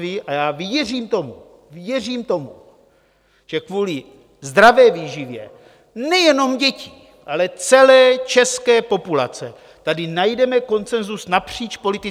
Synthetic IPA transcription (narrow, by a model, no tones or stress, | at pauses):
vɪʔajaːvjɛr̝iːmt̪o̞mu | vjɛr̝iːmt̪o̞mu | ʒ̥ɛkvuːlɪ | zd̪ɾavɛːviːʒivjɛ̰ | nɛjɛno̞mɟɛci | ʔalɛt͡sɛlɛːt͡ʃɛskɛːpo̞pula̰t͡sɛ | t̪adɪnajdɛmɛko̞nt͡sɛnzusnapr̝̥iːt͡ʃpo̞lit̪ɪ